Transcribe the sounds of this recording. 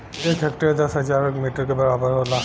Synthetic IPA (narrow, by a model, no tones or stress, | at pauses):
eːkɦɐk̚ʈəɾd̪ɐsɦɐd͡ʒaːɾəkmiʈəɾkebɐɾaːbəɾɦola